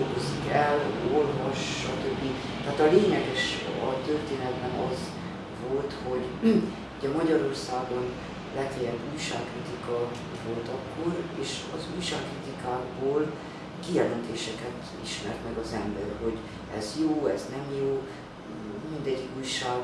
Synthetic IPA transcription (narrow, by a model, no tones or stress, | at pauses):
ɡozikɛlorvoʃʃɒt̪øbːit̪ɛaːt̪ɒleːɲɛɡɛʃɒ̰t̪ørt̪eːnɛd̪bɛnɒz | vo̞lt̪ho̞ɟ | hoɟɛmɒɟɒɾo̞rsaːɡo̞n | lɛt̪ejɛbuːjʃa̰ːkːrit̪ikɒ | vo̞lt̪ɒkːo̞reːʃɒ̰zuːjʃaːkːrit̪ikaːɡboːl | kijɛlɛnt̪eːʃɛkɛt̪ | iʃmɛrt̪mɛɡɒzɛmbɛrɦo̞ɟ | ɛ̰zjoːɛ̰znɛmjoː | mind̪ɛɟːikuːjʃaːɡ